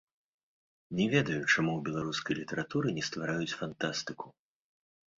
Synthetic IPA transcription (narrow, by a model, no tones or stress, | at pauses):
nʲɛvʲɛd̪ɐjut͡ʂamuwbʲɛlˠaɾuskɐjlʲit̪ɛɾat̪uɾɨnʲɛst̪vaɾajut͡sʲfant̪ast̪ɨku̥